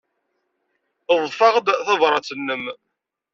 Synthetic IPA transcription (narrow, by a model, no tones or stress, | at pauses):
əðˤfɑʁd̪θɑvɾˤɑt͡sːənːəm